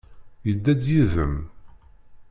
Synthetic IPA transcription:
jəd̪ːæd̪jiðəm

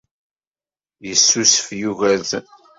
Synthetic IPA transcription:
jəsːusəfjuʝæð

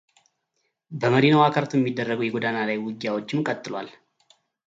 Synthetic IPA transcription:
bəməd̪inawakʰəɾt̪ʰujɛmːid̪ːərːəɡwjɛɡʷod̪analajwɨɡjawo̞t͡ʃːɪmkʼət̪ʼːɨlwa̰l

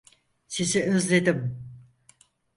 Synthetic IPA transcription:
siziøzlʲed̪im

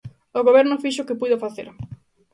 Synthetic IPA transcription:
oɣoβɛɾnʊfiʃ̬ʊkɪpujðofaθḛɾ

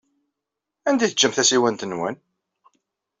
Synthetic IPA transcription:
ænd̪iθəd͡ʒːəmθæsiwænt̪ənwæn

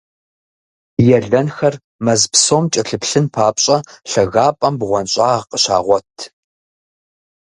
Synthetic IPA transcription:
jɛɮɐnxɐr | mɐzpsoːmt͡ʃʼɐɬɨpɬɨnpʰaːpɕʼɐɬɐɣaːpʼɐmbʁʷɔnɕʼaːʁqəɕa̰ːʁʷɔtʰ

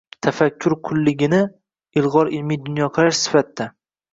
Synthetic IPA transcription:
t̪ʰafakʲʰːʊɾkʰʊlːɪɡʲɪnɪ | ɪlˠʁɒɾɪlmijd̪ʊnjɒqʰɨɾaʃsɪ̥fat̪ːa

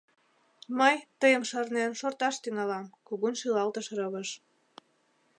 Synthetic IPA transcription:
məjt̪əjəmʃɑrnenʃort̪ɑʃt̪yŋɑlɑmkuɣunʃilɑlt̪əʃɾɤβəʃ

